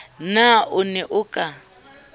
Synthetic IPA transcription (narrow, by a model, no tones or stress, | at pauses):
naʔʊnɛʔʊkʼa